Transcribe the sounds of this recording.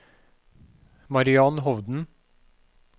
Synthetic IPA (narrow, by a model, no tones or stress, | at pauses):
mɑɾɪɑnɦɔʋd̪n̩